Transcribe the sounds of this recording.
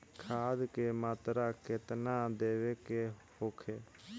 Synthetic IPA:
kʰaːd̪kemaːt̪ɾakɪt̪nad̪eːʋekehoːkʰeː

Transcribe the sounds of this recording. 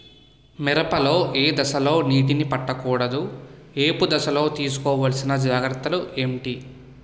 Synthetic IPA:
mɛɾɐpɐlo̞ːʔeːd̪ɐsɐlo̞ːniːʈ̬inipɐʈːɐkuːɽɐd̪ueːpud̪ɐsɐlo̞ːt̪iːsu̥kɔːʋɐlɐsinɐd͡ʒaːɡɾɐt̪ːɐluʔemʈi

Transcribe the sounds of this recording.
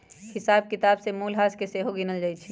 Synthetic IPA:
hɪsaːb̚kɪt̪aːbsemuːlɦaːskeseɦoɡinəld͡ʒaːjt͡ʃʰi

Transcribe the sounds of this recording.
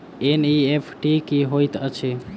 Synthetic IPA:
eniepʰʈikiɦojt̪ət͡ʃʰe

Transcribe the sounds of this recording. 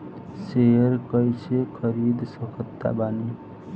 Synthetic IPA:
seəɾkəjt͡ʃʰekʰəɾid̪səkʰət̪ːa̰baːni

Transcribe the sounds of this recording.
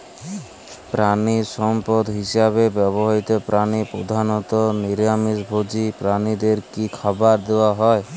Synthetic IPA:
pɾanisɔmpɔd̪ʱɦisaβebɛbɔɦait̪ɔpɾanipɾo̰d̪ʱanɔt̪ɔniɾjamisbʱod͡ʒipɾanid̪eɾkikʰabaɾd̪ewaɦɔe

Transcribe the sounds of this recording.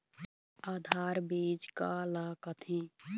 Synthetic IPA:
aːd̪ʱaːɾbeːd͡ʒkalakət̪ʰi

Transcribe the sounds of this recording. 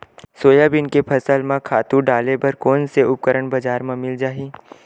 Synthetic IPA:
soːjabɪnkepʰɐsəlmãkʰaːt̪ũɖaːlebɐɾkɔːnseʊp̚kəɾəɽ̃bɐd͡ʒaːɾmãmɪld͡ʒaːɦi

